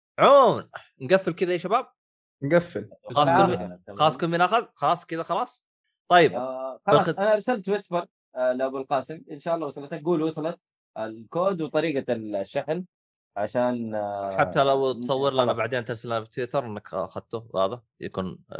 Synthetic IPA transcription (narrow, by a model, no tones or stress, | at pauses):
ʕomn | nɡafːɪlkɪðajeʃabaːb̚ | nɡafːɪlxɑlɑsˤkʊxɑlɑːsˤkʊnminʔaxaðxɑlɑːsˤkɪðaxɑlɑːsˤ | t̪ˤɑjːɪbɑlʔanaʔɑɾˤsalt̪wɪsbɑɾ | lɪʔabuːlqɑːsɪmʔɪnʃaːʔɑlːɑwɑsˤlɑt̪ak̚ɡuːlwɑsˤlɑt̪̚ | ʔɪlkoːd̪wɨt̪ˤɑɾiːɡɑlʃːaħl | ʕaʃaːnħħab̚t̪alawt̪sˤɑwːɪɾlʔanabaʕd̪eːnt̪ɑɾˤsalʔanbɪt̪wɪt̪ɑɾˤʔɪnːaka̰xad̪̚t̪uwha̰ːða | ja̰kṵːn